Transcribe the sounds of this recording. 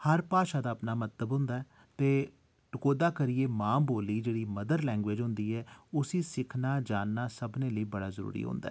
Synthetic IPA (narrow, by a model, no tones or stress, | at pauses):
həɾpaːʃaːd̪aːəpnaːmət̪ləbɦʊ̃nd̪aːɛː | t̪eː | ʈʊkoːd̪aːkəɾɪjeːmãːmboːliːd͡ʒeːɽiːməd̪əɾlɛ̃ːŋɡʋeːd͡ʒɦʊ̃nd̪iːɛːʊsiːsɪkʰnaːd͡ʒaːnːaːsəbnẽːləiːbəɽaːzəɾṵːɾḭːɦõ̰ːnd̪aɛː